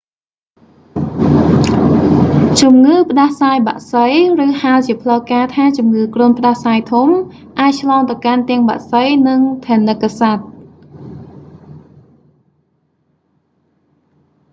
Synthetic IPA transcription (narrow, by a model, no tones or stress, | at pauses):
t͡ɕumŋɨːpə̆ɗahsaːjɓa̰ʔsəjrɨːhaəlt͡ɕiəpʰləkaːt̪ʰaːt͡ɕumŋɨːkruənpə̆ɗahsaːjt̪ʰum | ʔaːc̚t͡ɕʰlɑːŋt̪əwkant̪ɛ̆əŋɓa̰ʔsəjnɨŋt̪ʰaːnɨkːasat̪̚